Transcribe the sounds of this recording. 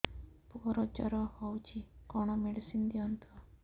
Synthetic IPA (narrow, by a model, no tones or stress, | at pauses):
puɾɔd͡ʒɔɾɔhɔwt͡ʃʰikɔɽ̃ɔmeɽsind̪iɔnt̪ʰɔ